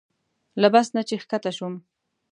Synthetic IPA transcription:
labasnat͡ʃexkat̪aʃum

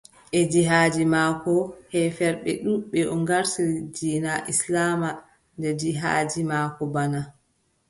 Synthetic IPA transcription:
ʔɛd͡ʒiɦaːd͡ʒimaːkɔhɛfɛɾɓɛ̰ɗuɓɛɔŋɡaɾsiɾid͡ʒiːnaʔislama | ndɛd͡ʒiɦa̰ːd͡ʒimaːkɔbana

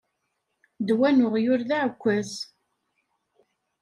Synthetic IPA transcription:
d̪wænʊʁjʊɾðaʕkʷːəz

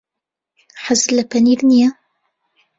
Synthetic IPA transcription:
ħazːlæpæniðnja

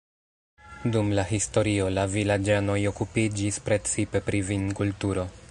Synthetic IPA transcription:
dumlaɦisto̞ɾio̞lavilad͡ʒano̞jo̞kupid͡ʒispɾe̞t͡sipe̞pɾivinkultuɾo̞

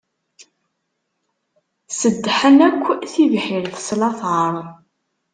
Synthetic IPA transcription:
səd̪ːħənækʷːθivħɪɾθə̥slɑθəɾˤ

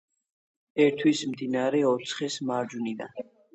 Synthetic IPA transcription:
ɛɾt̪ʰwismd̪inaɾɛɔt̪sʰχɛsmaɾd͡ʒunid̪a̰

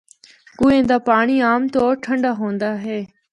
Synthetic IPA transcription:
kuːẽːnd̪aːpaːɳiːaːmt̪oːʈʰəɳɖaːɦõːnd̪aːɦeː

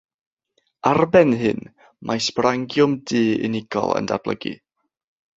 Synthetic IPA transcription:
arbɛnɦɨn | mʔajsb̥raŋɡjʊmdɨːɪ̰nɪɡ̥ɔ̰lˠə̰nda̰rb̥lˠə̰ɡḭ

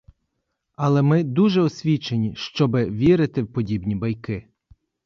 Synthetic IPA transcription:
ɐlˠɛmɪd̪uʒɛɔsʲʋʲit͡ʃenʲiʃt͡ʃɔbɪʋʲiɾɪt̪ɪwpɔdʲibnʲibɐjkɪ

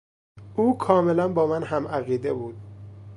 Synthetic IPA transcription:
ʔuːkʰɒːme̞lænbɒːmænɦæmæɣiːd̪ebuːd̪̥̚

